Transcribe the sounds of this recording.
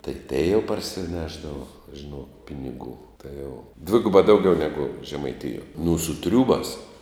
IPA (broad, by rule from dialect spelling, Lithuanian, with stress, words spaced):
tɐɪ tʲɛɪ jɛʊ pɐrʲsʲɪˈnʲæːʒdɐʋoː ʒʲɪˈnoːk ˈpʲɪnʲɪɡuː tɐɪ jɛʊ ˈdʲʋʲɪɡʊbɑː ˈdɐʊɡʲɛʊ nʲɛɡʊ ʒʲɛmɐɪˈtʲɪjuɔ nʊ sʊ ˈtʲrʲuːbɑːs